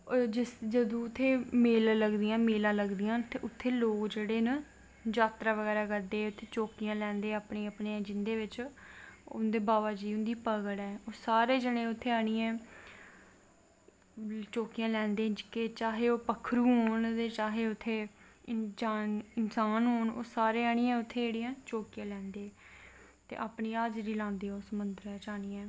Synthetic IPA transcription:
d͡ʒɪsd͡ʒəd̪õːʊt̪ʰːeːmeːlləɡd̪ijãːmeːlãːləɡd̪ijãːt̪eːʔʊt̪ʰːeːloːkd͡ʒeːɽeːnə | d͡ʒaːt̪ɾaːʋəɡɛːɾaːɡəd̪eːʊt̪ʰːeːt͡ʃoːkijãːlɛ̃ːnd̪eːaːpɳeːapɳeːd͡ʒɪnd̪eːʋɪt͡ʃ | ʊ̰nd̪eːbaːʋaːd͡ʒiːʊnd̪iːpəɡəɽɛːoːsaːɾeːd͡ʒəɽeːʊt̪ʰːeːaːɽ̃iːɛ̃ː | t͡ʃoːkijãːlɛ̃ːnd̪ẽːd͡ʒkeːt͡ʃaːɦeːoːpəkʰɾuːɦoːnt̪eːt͡ʃaːɦeːʊt̪ʰːeːɪsaːnɪnsaːnɦoːno̰ːsaːɾeːaːɽ̃iːãːʊt̪ʰːeːeːɽijãːt͡ʃoːkijãːlɛ̃ːnd̪eː | t̪ḛːʔaːpɳiːaːd͡ʒɾiːlãːnd̪iːoːsəmʊnd̪əɾɛːt͡ʃaːɽ̃iːɛ̃ː

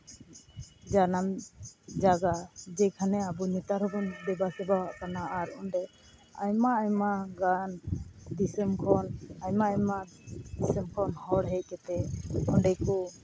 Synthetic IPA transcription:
d͡ʒanamd͡ʒaɡad͡ʒɛkʰanɛabunit̪aɾhɔbɔnd̪ɛbasɛbaaʔkanaːɾɔɳɖɛ | ajmaajmaɡand̪isəmkʰɔnajmaajma | d̪isəmkʰɔnhɔɽɦɛc̚kɛt̪ɛɔɳɖɛkɔ

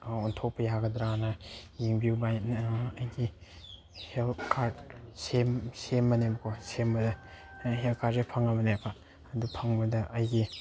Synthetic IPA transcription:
ɔntʰok̚pɐjaɡɐdɾanɐjiŋbiwbajnɐjɡi | helkʰaɾdsemsemːɐnebɐkʰosembɐdɐ | ɦelkʰaɾzepʰɐŋɐmɐnekʰa | ɐdupʰɐŋbɐdɐʔɐjɡi

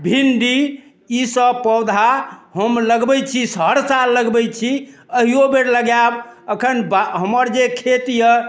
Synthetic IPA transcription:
bʱinɖi | isəbpəwd̪ʱaɦəmləɡbɛjt͡ʃʰisəɾsalːəɡbɛjt͡ʃʰi | əɦijobeɾləɡjabəkʰənbaɦəməɾd͡ʒekʰet̪jə

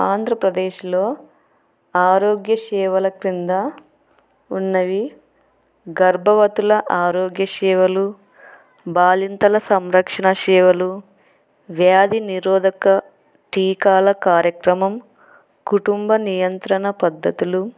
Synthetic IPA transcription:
aːnd̪ʱɾɐpɾɐd̪eːʃloː | aːɾoːɡjɐʃɛːʋɐlɐkɾind̪ɐ | unːɐʋi | ɡɐɾbʱɐʋɐt̪ulɐʔaːɾoːɡjɐʃɛːʋɐlu | baːlint̪ɐlɐsɐmɾɐkʂɐɳɐʃɛːʋɐlu | ʋjaːd̪iniɾɔːd̪ɐkɐ | ʈiːkaːlɐkaːɾjɐkɾɐmɐm | kuʈumbɐnijɐnt̪ɾɐɳɐpɐd̪ːɐt̪ulu

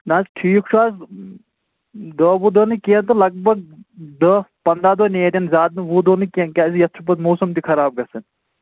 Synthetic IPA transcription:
naːsʈʰiːkt͡ʃʰuaːs | d̪əbud̪ənɨkeːnt̪olɐɡ̚bɐɡ̚d̪əpɐnd̪aːd̪oneːt̪ʲɐnzʲaːd̪̚nɨʋud̪onɨkenkʲaːsijɐt̪ʰupɐt̪moːsɐmt̪ikʰɐɾaːb̚ɡɐsɐn

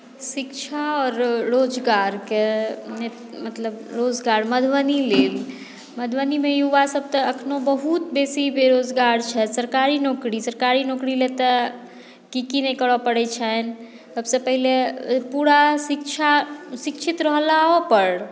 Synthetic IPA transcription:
sikt͡ʃʰaɔːɾːod͡ʒɡaɾkene | mət̪ləbɾod͡ʒɡaɾməd̪ʱʋənileːl | məd̪ʱʋənimejuʋasəb̚ʱt̪əəkʰnobəɦut̪besibeɾod͡ʒɡaɾt͡ʃʰɛsəɾkaɾinoːkɾisəɾkaɾinoːkɾilet̪ə | kikinɛkəɽɔpəɽɛt͡ʃʰɛn | səbsəpəɦilepuɽasikt͡ʃʰasikt͡ʃʰit̪ɾəɦlaɦopəɾ

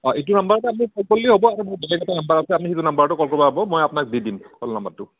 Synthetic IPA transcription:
ɔʔetʊnambaɹatɛamikɔlkolːiɦobɔaɹumoɹbelɛkɔtanambaɹasɛamixitunambaɹtʊkɔlkɔbaɦbɔmojapʊnak̚didimkɔlna̰mbatːʊ

